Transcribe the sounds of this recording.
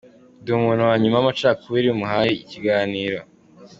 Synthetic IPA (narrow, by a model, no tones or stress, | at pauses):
duːmunowaɲumamat͡ʃaːkuwiɾiumuɦajiiciɡaːniːɾo